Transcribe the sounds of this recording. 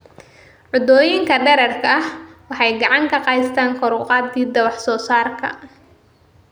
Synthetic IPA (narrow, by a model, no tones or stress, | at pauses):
ʕʊd̪ɔːjɪŋkʰɐɖɛɾɐrkʰɐhwɑħɑjɡɑʕɑŋkʰɐqɑjst̪ʰaːŋkʰɔɾʊqɑːd̪ɡiːd̪ɐwɑħsɔːsaːrkʰɐ̰